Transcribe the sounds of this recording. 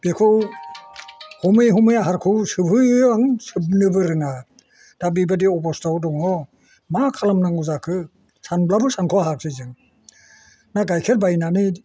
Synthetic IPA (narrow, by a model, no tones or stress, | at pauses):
b̥ekʰɔw | hɔmɯjɦɔmɯjaɦaɾkʰɯwsɯbʱɯaŋsɯb̚nɯbɯɾɯna | d̥abibadiɔpɔstawdɔŋɔ | makʰalamnaŋuzakʰɯ | sanblabɯsaŋkʰɔɦak̚sɯjzɯŋ | naɡajkʰeɾbajnanɯ